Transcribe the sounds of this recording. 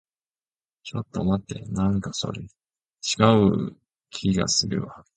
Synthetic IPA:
t͡ɕo̞t̪ːo̞mat̪ːe̞̰nãŋkaso̞̰ɾe | t͡ɕi̥ɡaɯ | kʲʰiɡa̰sɨɾɯ̟̰βa

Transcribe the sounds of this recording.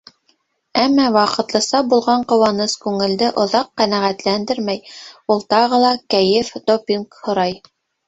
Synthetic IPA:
æmːæwɑqɤ̆t̪lˠɤ̆sɑbulˠʁɑɴqŏwɑnɤskʉŋɘ̆ld̪ɘʔŏðɑqːænæʁæt̪lænd̪ɘɾmæjulˠt̪ɑʁɤ̆lˠɑkæjɘfd̪̥opʲiŋkhŏɾɑj

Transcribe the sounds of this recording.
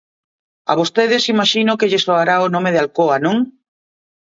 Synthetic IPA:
a̰βost̪eðɪsimaʃinʊkeʎɪsoaɾaonõmeðalkoanõŋ

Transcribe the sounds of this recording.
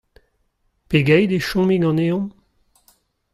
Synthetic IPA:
peɡɛjd̪eʃɔ̃miɡɑ̃neɔ̃m

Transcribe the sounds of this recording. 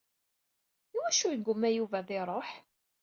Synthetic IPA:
iwæʃujəɡʷːʊmːæjuvæðɪɾˤoħ

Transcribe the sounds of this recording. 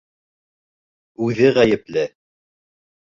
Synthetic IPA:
ʉðɘʁæjɘ̆plɘ

